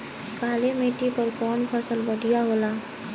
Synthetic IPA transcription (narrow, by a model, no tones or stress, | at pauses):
kaːlemeːʈipəɾkɔːnpʰəsəlbəɽʱijaɦoːlaː